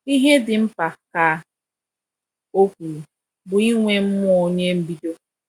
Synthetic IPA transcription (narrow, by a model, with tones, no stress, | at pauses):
i˦ɦe˦dɪ˨m̩˦pa˨ka˨˦ | o˦kʷu˨ɾu˨ | bʊ˨i˦ŋʷe˦m̩˦mʊ˦o˨ɲe˦m̩˦bi˦do˦